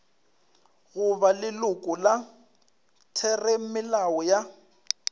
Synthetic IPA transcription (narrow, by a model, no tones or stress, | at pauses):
ɣʊβalɪlʊkʼʊla | tʰɛrem̩mɪlawɔja